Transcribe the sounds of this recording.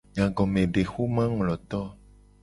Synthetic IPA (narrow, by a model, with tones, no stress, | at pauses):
ɲã˨ɡɔ̃˨mẽ˨ɖe˨xu˦mã˦ŋlɔ˨t̪ɔ˦